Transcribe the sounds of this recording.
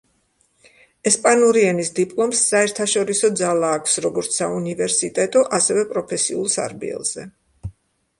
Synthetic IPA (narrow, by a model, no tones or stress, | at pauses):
ɛspʼanuɾiɛnisd̪ipʼlˠɔmsːaɛɾt̪ʰaʃɔɾisɔd̪zalˠaːkʷʰfsɾɔɡɔɾt̪ssaunivɛɾsit̪ʼɛt̪ʼɔʔasɛvɛpʼɾɔpʰɛsiulˠsa̰ɾbḭɛ̰lˠz̥ɛ